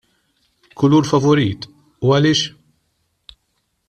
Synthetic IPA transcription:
kʰʊluːɾfɐvɔɾiːt̪ | uɐlɪːʃ

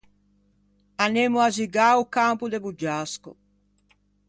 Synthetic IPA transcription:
anemuaziɡaukampud̪ebud͡ʒaskṵ

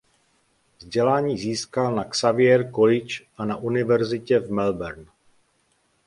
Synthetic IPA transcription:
vzɟɛlaːɲiːziːskalnaksavɪɛɾkolɪt͡ʃʔanaʔunɪvɛɾzɪcɛvmɛlbɛɾn

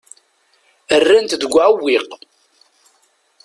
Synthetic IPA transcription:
ərːænt̪d̪əɡʷːʕəwːiq

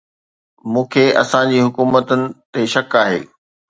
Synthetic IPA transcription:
mũːkʰeɐ̰sãd͡ʑiːɦʊkuːmət̪ʊnɪ̆t̪eʃɐkaːɦḛː

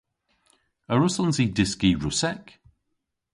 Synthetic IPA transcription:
əɹʊsənzidɪskiɹʊsɛk

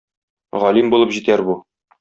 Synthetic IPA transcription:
ʁɒlimbulˠɤpʑit̪æɾbu

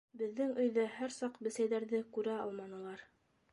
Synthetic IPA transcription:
bɘ̆ðːɘŋɵ̆jðɘhæɾsɑqbɘ̆sæjðæɾðɘkʉɾæɑ̰lˠmɑnɤ̆lˠɑɾ

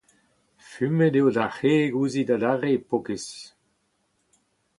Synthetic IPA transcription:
fymedeodaχeːɡuːzidadaʁepɔkes

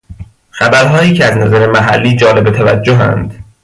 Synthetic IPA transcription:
xæbæɾɦɒːjiːcʰeæznæzæɾe̞mæɦæ̰lːiːd͡ʒɒːle̞bet̪ʰævæ̰d͡ʒːoɦæ̰nd̪̥

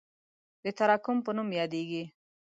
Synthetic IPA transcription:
d̪ət̪aɾɑkʊmpənumjɑd̪eɡi

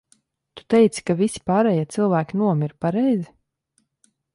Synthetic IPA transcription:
t̪u̥t̪ɛjt̪si̥kavisi̥pɑːɾɛjiɛt̪silˠvæːkʲinuɔmiɾpaɾɛjzi

